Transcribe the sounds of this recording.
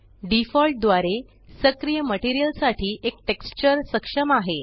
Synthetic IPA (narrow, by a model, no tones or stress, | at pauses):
ɖifɔlʈ̚d̪ʋaɾe | səkɾijəməʈiɾijəlsaʈʰiːʔekʈekst͡ɕəɾsəkʂəmaɦe